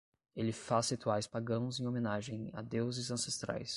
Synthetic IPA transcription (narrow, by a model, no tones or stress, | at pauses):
elɪfashit̪uajspaɡɐ̃w̃ʊzẽj̃omẽnaʒẽj̃a̰d̪ewzɪzɐ̃sest̪ɾa̰js